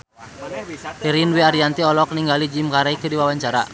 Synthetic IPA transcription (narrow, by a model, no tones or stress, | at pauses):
iɾinwiaɾiant̪iɔlɔk̚niŋɡalid͡ʒimkaɾaikədiwawaɲt͡ʃaɾa̰